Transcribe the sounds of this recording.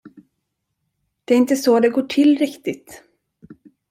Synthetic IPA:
d̪̥ɛæɾɪnt̪əsoːd̪ɛɡoːʈʰɪlɾɪkt̪ɪt̪

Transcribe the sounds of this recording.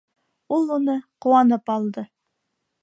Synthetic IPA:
ulˠunɤquwɑnɤpɑlˠd̪ɤ

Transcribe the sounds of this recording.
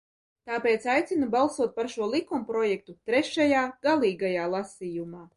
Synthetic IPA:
t̪aːpeːt̪sajt̪sʲinubalˠsuɔt̪̚paɾʃuɔlˠikumpɾɔjɛk̚t̪ut̪ɾɛʃajaːɡ̥alˠiːɡajaːlˠasʲiːjumaː

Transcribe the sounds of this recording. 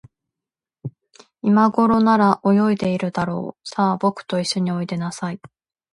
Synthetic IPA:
imaɡo̞ɾo̞naɾaʔo̞jo̞id̪e̞iɾɯ̟d̪aɾo̞̰ːsaːbo̞kɯ̟̥t̪o̞iɕːo̞ɲ̟io̞id̪e̞nasai

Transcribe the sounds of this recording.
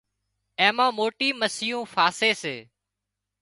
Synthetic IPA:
ẽːmãːmoːʈiːməsɪjũːfaːseːseː

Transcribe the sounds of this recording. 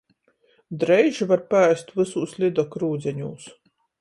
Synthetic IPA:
d̪ɾɛjʒivaɾpaæjst̪vɨsuːslʲid̪ɔkɾuːd̪zʲɛɲuːs

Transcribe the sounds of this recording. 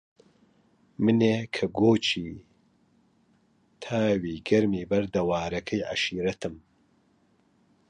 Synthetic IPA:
mɨneːkʰɐɡoːt͡ʃʰiː | t̪ʰaːwiːɡɐɾmiːbɐɾd̪ɐwaːɾɐkʰɐjʕa̰ʃiːɾɐt̪ʰɨm

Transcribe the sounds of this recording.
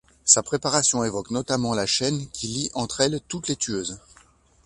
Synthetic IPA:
sapχepaʁasjɔ̃evɔknɔt̪amɑ̃laʃɛnkʲʰiliʔɑ̃t̪χɛlt̪ut̪let̪yøːz

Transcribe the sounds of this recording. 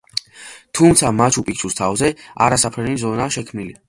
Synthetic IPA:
t̪ʰumt̪sʰamat͡ʃʰupʼik̚t͡ʃʰust̪ʰavzɛa̰ɾasapʰɾɛnizɔnaːʃɛkʰmnili

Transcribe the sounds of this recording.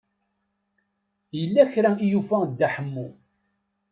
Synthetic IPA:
jəlːæçɾæijufæd̪ːæħəmːu

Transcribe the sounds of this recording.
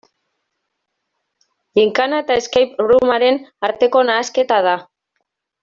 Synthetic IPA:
liŋkanaet̪aeskajpɣɾumaɾe̞naɾt̪e̞ko̞naːske̞t̪að̞a

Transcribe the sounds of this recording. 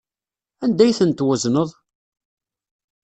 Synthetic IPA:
ænd̪æjθənt̪wæznəðˤ

